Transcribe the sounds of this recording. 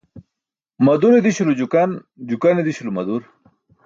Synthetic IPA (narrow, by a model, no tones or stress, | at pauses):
mɐd̪uɾed̪iɕulud͡ʑukɐn | d͡ʑukɐned̪iɕulumɐd̪uɾ